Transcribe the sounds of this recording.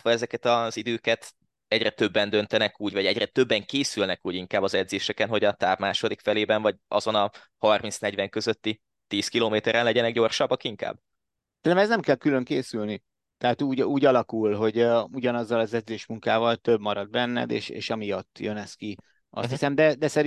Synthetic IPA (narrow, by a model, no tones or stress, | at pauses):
t̪ʋɒɛzɛkɛt̪ɒzid̪øːkɛt̪ | ɛɟrɛt̪ø̞bːɛnd̪ø̞nt̪ɛnɛkuːɟvɒɟɛɟrɛt̪ø̞bːɛŋkeːsylnɛkuːɟiŋkaːbːɒzɛd̪zeːʃɛkɛnɦo̞ɟɒt̪aːbmaːʃo̞d̪ikfɛleːbɛnvɒɟɒ̰zonɒ | hɒrmint̪snɛɟvɛŋkø̞zøt̪ːi | t̪iːskiloːmeːt̪ɛɾɛnlɛɟɛnɛɡɟo̞rʃɒbːɒkiŋka̰ːb | t̪elɛmɛsznɛmkɛlkylø̞ŋkeːsylni | t̪ɛɦaːt̪uːɟuːɟɒlɒkulɦo̞ɟuɟɒnɒzːɒlɒzɛd̪zeːʃmuŋkaːvɒlt̪øbmɒɾɒd̪̚bɛnːɛ̰d̪ḛːʃḛːʃɒmijɒt̪ːjønɛski | ʔɒ̰shisɛmd̪ɛd̪ɛsɛɾ